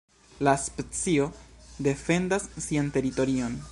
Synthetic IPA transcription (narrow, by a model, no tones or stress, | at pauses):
laspet͡sio̞de̞fe̞ndasːiante̞ɾito̞ɾio̞n